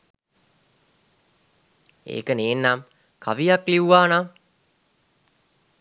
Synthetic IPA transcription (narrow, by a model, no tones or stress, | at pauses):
ḛːkəneːnːam | kʰaʋijakliuʋaːna